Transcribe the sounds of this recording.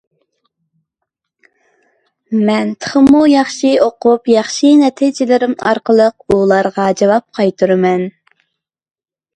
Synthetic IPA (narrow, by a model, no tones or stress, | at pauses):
mɛnt̪ʰə̥χəmujɑχʃioqupjɑχʃinɛt̪ʰid͡ʒɪlɪɾɪmɑ̰ɾqəlˠəq̚ulˠɑɾʁɑd͡ʒɑwɑp̚qʰɑjt̪ʰuɾɨmɛn